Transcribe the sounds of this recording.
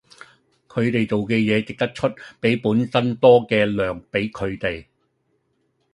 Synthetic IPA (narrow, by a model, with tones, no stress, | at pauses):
kʰɵ˨˧ɥt̪e˨jt͡so˨wkɛː˧jɛː˨˧t͡sɪ˨k̚t̪ɐ˥k̚t͡ʃʰɵ˥t̚pe˨˥jpuː˨˥nsɐ˥nt̪ɔː˥kɛː˧lœː˨ŋpe˨˥jkʰɵ˨˧ɥt̪e˨j